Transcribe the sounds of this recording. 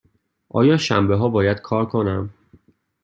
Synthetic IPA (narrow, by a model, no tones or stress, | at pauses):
ʔɒ̰ːjɒːʃæ̰mbeɦɒːbɒːjæd̪̥kʰɒːɾkʰonæm